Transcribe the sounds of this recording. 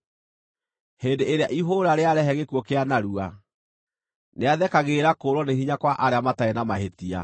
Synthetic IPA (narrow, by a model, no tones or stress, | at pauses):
heːndeeɾeaʔiɦoɾaɾeaɾɛɦɛɣekwɔkeanaɾua | neaðɛkaɣeːɾakoɾɔnehiɲakwaʔaɾeamataenamaɦetia̰